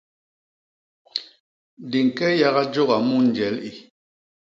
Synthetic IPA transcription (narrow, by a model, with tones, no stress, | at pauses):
di˨ŋ̩˨kɛ˦ja˦ɣa˦d͡ʒo˦ɣa˨mu˦n̩˨d͡ʒɛ˨˦li˨